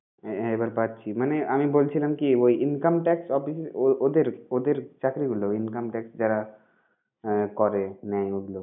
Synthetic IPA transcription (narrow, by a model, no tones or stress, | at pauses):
ɦebəɾbat̪̚t͡ʃʰimaneamibolt͡ʃʰilamkiʋoiʔɪnkəmʈɛksʈɔpissod̪eɾod̪eɾt͡ʃakɾiɡuloɪnkəmʈɛksd͡ʒɛɾa | kɔɾenaĩoɡlo